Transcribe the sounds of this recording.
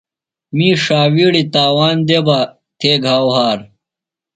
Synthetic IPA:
miːʂaːwiːɽit̪aːwaːnd̪eba | t̪ʰeːɡʱaːwɦaːɾ

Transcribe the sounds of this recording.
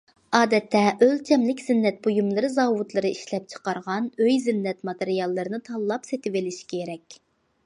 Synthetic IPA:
ɑːd̪ɛt̪ʰːɛʔølt͡ʃʰɛmlɪkʲzɪnːɛt̪̚bojumlˠɨɾɨzɑːwut̪lˠɨɾɨiʃlɛp̚t͡ʃʰə̥qɑɾʁɑnøjzɪnːɛt̪mɑt̪eɾijɑlˠːɨɾɨnɨt̪ʰɑlˠːɑpset̪ɪvɪlɪʃi̥kʲʰeɾɛkʲ

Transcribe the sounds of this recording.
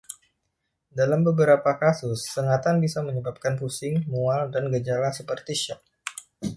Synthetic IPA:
dalambəbəɾapakasʊsːəŋat̪anbisaməɲəbap̚kanpusɪŋmualdanɡəd͡ʒalasəpərt̪iʃɔp̚

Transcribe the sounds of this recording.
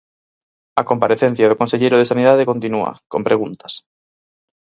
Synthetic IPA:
ɐkompaɾeθẽn̟θjɐðʊkonseʎejɾʊð̞esaniðaðekont̪inuɐ̰kompɾeɣunt̪ɐ̥s

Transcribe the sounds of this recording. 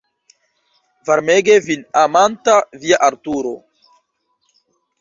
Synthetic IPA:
vaɾmeɡevinamantaviaʔaɾtuɾo̰

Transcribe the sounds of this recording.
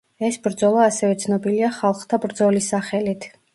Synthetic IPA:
ɛsbɾd̪zɔlˠaːsɛvɛt̪sʰnɔbiliaχalˠχt̪ʰabɾd̪zɔlisaχɛlit̪ʰ

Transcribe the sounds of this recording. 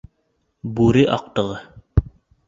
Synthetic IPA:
buɾɘʔɑq̚t̪ɤ̆ʁɤ

